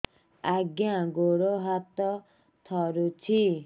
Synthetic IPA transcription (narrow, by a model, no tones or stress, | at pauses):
aɡjãɡoɽoɦat̪ɔ | t̪ʰɔɾut͡ʃʰi